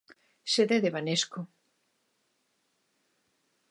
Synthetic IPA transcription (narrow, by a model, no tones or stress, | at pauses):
seðeðeβanesko